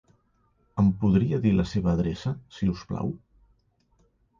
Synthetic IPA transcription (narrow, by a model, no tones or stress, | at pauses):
əmpuðɾiəðiləseβ̞əːðɾesəsiuspla̰w